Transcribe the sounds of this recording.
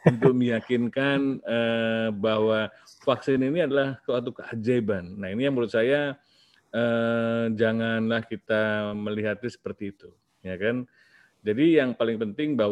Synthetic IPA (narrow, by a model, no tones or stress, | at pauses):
unt̪ʊk̚məjakɪnkanəbaɦwafaksɪniniadalahkəwat̪ukəad͡ʒebanːainijaŋbəɾʊt̪̚saja | əd͡ʒaŋanlahkit̪aməliɦat̪isə̥pərt̪iːt̪u | jakan | d͡ʒadijaŋpalɪŋpənt̪ɪŋba